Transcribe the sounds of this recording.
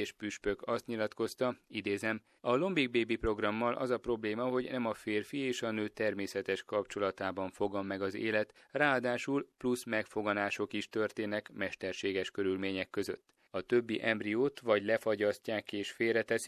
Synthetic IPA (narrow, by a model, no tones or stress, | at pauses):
eʃpyʃpøkɒst̪ɲilɒt̪ko̞st̪ɒid̪eːzɛm | ɒlo̞mbiɡ̚beːbipro̞ɡrɒmːɒlʔɒ̰zɒpro̞bleːmɒɦo̞ɟnɛmɒfeːrfieːʃɒnøːt̪ɛrmeːsɛt̪ɛʃkɒpt͡ʃo̞lɒt̪aːbɒɱfo̞ɡɒmːɛɡɒzḛːlɛt̪raːɒd̪aːʃulplusmɛkfo̞ɡɒnaːʃo̞kiʃt̪ørt̪eːnɛkmɛʃt̪ɛrʃeːɡɛʃkø̞ɾylmeːɲɛkːø̞zø̞̰t̪ː | ɒt̪ø̞bːiʔɛmbrioːt̪ʋɒɟlɛfɒɟɒscaːkeːʃfeːrɛt̪ɛsi